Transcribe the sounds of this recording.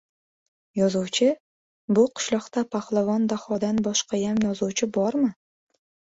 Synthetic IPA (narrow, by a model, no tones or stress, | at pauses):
jɒzuwt͡ʃʰɪ | bʊqʰʊ̥ʃlˠɒqt̪apʰaχlˠavɒnd̪aχɒd̪anbɒʃqɑjamjɒzuwt͡ʃʰɪbɒɾmɪ